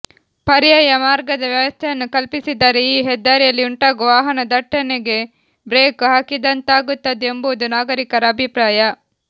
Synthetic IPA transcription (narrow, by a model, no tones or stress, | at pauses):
pɐɾijɐːjɐmaːɾɡɐd̪ɐʋjɐʋɐst̪ʰɐjɐnːukɐlpisid̪ːaːɾeiːɦɛd̪ːaːɾijɐlːiuɳʈaːɡʋaːɦɐnɐd̪ɐʈːɐneɡe̞ | bɾeːkɦaːkid̪ɐnt̪aːɡut̪ːɐd̪eembuʋud̪unaːɡɐɾikɐɾɐːbʱipɾaːjɐ